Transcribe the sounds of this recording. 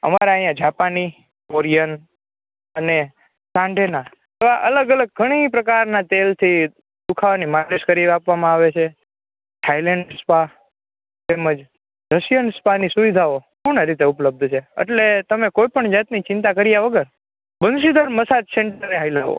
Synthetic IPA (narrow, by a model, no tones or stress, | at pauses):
ə̰maɾaəjãd͡ʒapani | koɾijən | əne | sãɳɖʱena | eʋaʔələɡələɡ̚ɡʱəɽ̃ipɾəkaɾnat̪elt̪ʰi | d̪ukʰaʋanimaɾeʃkəɾiʋapʋamãaʋet͡ʃʰe | ʈʰaileɳɖspa | t̪eməd͡ʒ | ɾəʃijənspanisuʋid̪ʱaokuɳaɾit̪eupləb̚d̪ʱt͡ʃʰeḛʈlet̪əmekoipəɳd͡ʒat̪nit͡ʃɪ̃nt̪̬akəɾijaʋəɡəɾ | bənʃid̪əɾməsad͡ʒseɳʈəɾeɦajlaʋo̰